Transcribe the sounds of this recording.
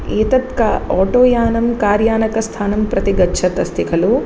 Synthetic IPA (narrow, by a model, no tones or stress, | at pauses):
eːt̪ɐt̪kɐɔːʈoːjaːnɐmkaːɾjaːnɐkɐst̪ʰaːnɐmpɾɐt̪iɡɐtːʃʰɐt̪ɐst̪ʰikʰɐlu